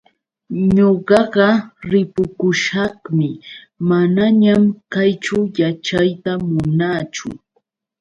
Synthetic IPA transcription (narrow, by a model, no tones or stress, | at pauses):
ɲoɢɑɢɑɾɪpʊkʊʃɑχmɪ | manaɲamkajt͡ʃʊjat͡ʃajt̪amʊnat͡ʃʊ̰